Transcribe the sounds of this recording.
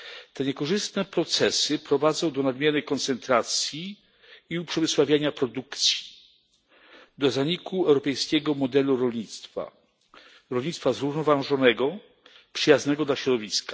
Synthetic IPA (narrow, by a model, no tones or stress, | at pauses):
t̪ɛɲɛkɔʐɘst̪nɛpɾɔt̪sɛsɘpɾɔvad̪zɔ̃w̃d̪ɔnad̪mʲjɛɾɘkɔnt̪sɛnt̪ɾat̪sʲjiː | upʂɛvɘswavʲjaɲapɾɔd̪ukt̪sʲji̥ | d̪ɔzaɲikuɛwɾɔpɛjskʲɛɡɔmɔd̪ɛluɾɔlɲit̪st̪fa̰ | ɾɔlɲit̪st̪fazɾuvnɔvaʐɔnɛɡɔ | pʂɘjaznɛɡɔd̪laɕɾɔd̪ɔvʲiskḁ